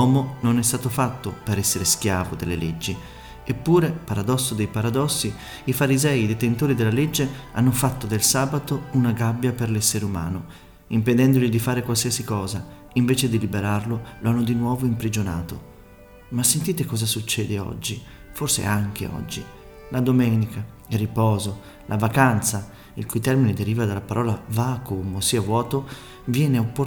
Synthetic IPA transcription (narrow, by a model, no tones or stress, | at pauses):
ɔːmononɛs̬t̪aːt̪ofat̪ːopeɾɛsːeɾeskjaːvod̪ḛlːḛlḛd͡ʒːi | epːuːɾepaɾad̪ɔsːod̪ejpaɾad̪ɔsːi | ifaɾizɛːid̪et̪ent̪oːɾid̪elːaled͡ʒːea̰nːofat̪ːod̪elsaːbat̪ounaɡabːjaperlɛsːeɾeuma̰ːno | imped̪ɛnd̪oʎid̪ifaːɾekwalsiasikɔːza | iɱveːt͡ʃed̪ilibeɾarloloanːod̪inwɔːvoimpɾid͡ʒona̰ːt̪o̰ | masːent̪iːt̪ekɔːzasut͡ʃːɛːd̪eɔ̰d͡ʒːi | forsḛaŋk̟ḛɔ̰d͡ʒːi | lad̪omɛːnika | ilripɔːzo | lʔavakant̪sa | ilkujt̪ɛrmined̪eɾiːvad̪alːapaɾɔːlavakomosiːavwɔːt̪o | vjɛːneopːo